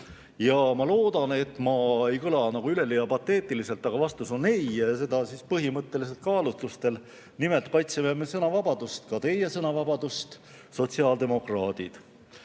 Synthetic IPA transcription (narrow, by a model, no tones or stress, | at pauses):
jɑmɑlo̞ːd̪̥ɑne̞t̪ːˑmɑe̞jkɤlɑnɑɡ̥uyle̞lijɑpɑt̪ːˑe̞ːt̪ːˑilise̞lt̪ːˑɑɡ̥ɑvɑst̪uso̞nejjɑse̞d̪̥ɑsispɤɦimɤt̪ːe̞lis̬e̞lt̪̚kɑːlut̪lust̪e̞l | nimelt̪̚kɑjt̪sememesɤnɑvɑbɑd̪̥ust̪kɑt̪e̞je̞sɤnɑvɑbɑd̪̥ust̪ | so̞t̪ʲsiɑːld̪e̞mo̞krɑːd̪̥id̪̥